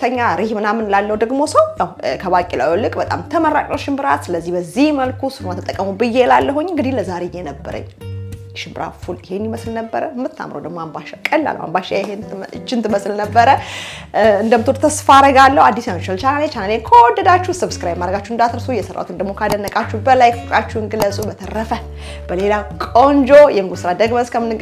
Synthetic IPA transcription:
t̪ʰəɲːaɾihmɨnamɨnlalːəhud̪əɡmo̞səwnawkʰəbakʼila̰wjolɨkʼbət̪ʼa̰mt̪ʰəməɾːa̰kʼnowʃɪmbɨɾat̪sɨləzːihbəzːihməlkʰusɨfmat̪ʰət̪ʼːəkʼːəmubɨjːelalːəɦuɲːɨŋɡɨd̪ihləzaɾejenəbːə̰ɾə̰ɲː | ʃɪmbɨɾa̰t̪fulɪhenːiməslnəbːəɾəmːɨt̪ʰːa̰mɾo̰d̪əɡmo̞ambaʃakʼəlːa̰lːə̰wa̰mbaʃajɦeɨt͡ʃːɪnt̪ʰɨməsɨlnəbːəɾə | ɨnd̪əmt̪ʰoɾt̪ʰəsfaɾəɡalːəhad̪ːisant͡ʃalt͡ʃanalet͡ʃʰanalenkʰəwɔd̪ːəd̪at͡ʃːuhsɨβsɨ̥kʰɨɾajɛmad̪ɾəɡat͡ʃːuhɨnd̪at̪ʰɾsujɛsərːa̰ut̪ɨnd̪əɡmokʰad̪ənːəkʼat͡ʃːubəlajkʰokʼat͡ʃːuɨŋɡɨlːəsʼubət̪ʰərːəfə | b̥əle̞lakʼo̞nd͡ʒojɛmɨɡusɨɾad̪əɡmənskʰəmːɨnɨ

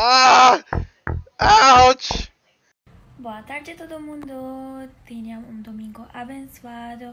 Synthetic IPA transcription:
a | at͡ʃ | boat̪aɾd͡ʒet̪od̪omũnd̪ot̪eniamumd̪omiŋɡoʔabensad̪o

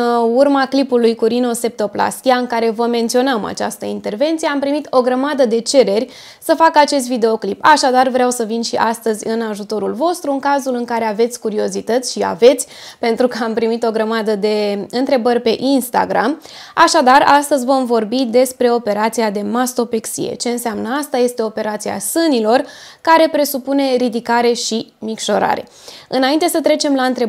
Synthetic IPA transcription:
urmaklipulujkuɾino̞se̞p̚t̪o̞pla̰st̪iaɨŋkaɾe̞vəme̞nt̪sio̞nama̰t͡ʃa̰st̪əint̪e̞rve̞nt̪sije̞ampɾimit̪o̞ɡɾəmad̪əd̪e̞t͡ʃe̞ɾe̞rʲ | səfakəat͡ʃe̞s̬t̪vid̪e̞o̞klipaʃad̪arvɾeawsəvinʃiʔast̪əzʲɨnaʒut̪o̞ɾulvo̞st̪ɾuɨŋkazulɨŋkaɾe̞ave̞t̪sʲkuɾio̞zit̪ət̪sʲʃia̰ve̞t̪sʲ | pe̞nt̪ɾukəampɾimit̪o̞ɡɾəmad̪əd̪e̞ɨnt̪ɾe̞bərʲpe̞ʔinst̪a̰ɡɾa̰maʃad̪arast̪əzʲvo̞mvo̞rbid̪e̞spɾe̞o̞pe̞ɾat̪siad̪e̞mast̪o̞pe̞ksḭje̞̰t͡ʃe̞ɨnseamnəast̪aje̞st̪e̞o̞pe̞ɾat̪sia̰sɨnilo̞rkaɾe̞pɾe̞supune̞ɾid̪ikaɾe̞ʃimikʃo̞ɾa̰ɾe̞̰ | ɨnaint̪e̞sət̪ɾe̞t͡ʃe̞mlaɨnt̪ɾe

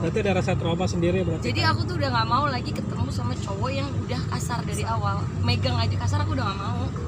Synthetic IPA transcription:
dat̪iadaɾasat̪ɾomasəndiɾiabənart̪d͡ʒiadiakut̪̬uudahŋaʔmaulaɡikət̪əmusamat͡ʃowɔjaŋudahkasardaɾiawal | meɡaŋad͡ʒakasaɾakuudahŋaʔmau

